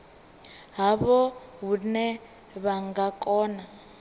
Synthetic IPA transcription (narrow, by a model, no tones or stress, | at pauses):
ɦaβɔɦunɛ | βaŋɡakʼɔːna